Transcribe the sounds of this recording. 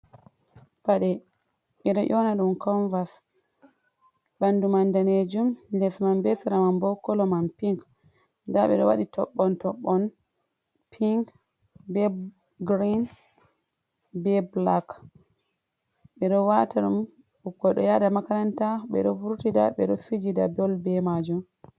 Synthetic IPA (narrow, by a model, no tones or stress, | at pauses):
paɗɛ | ɓɛɗɔʔɔnaɗumkʰɔnvas | bandumandaned͡ʒumlɛsmambɛsaɾamambɔkːɔlɔmampiŋk | daɓɛ̰ɗɔwaɗitʰɔɓːɔntɔɓːɔn | pʰiŋk | bɛ | ɡɾin | bɛblak | ɓɛɗɔwataɗum | ukːɔɗɔjadamakaɾantaɓɛɗɔvuɾtida̰ɓɛɗɔfid͡ʒida̰bɔlbɛmad͡ʒum